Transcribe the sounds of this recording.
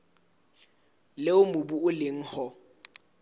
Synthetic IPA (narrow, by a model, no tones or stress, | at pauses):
lɪʊmʊbuʊlɪŋ̩hɔ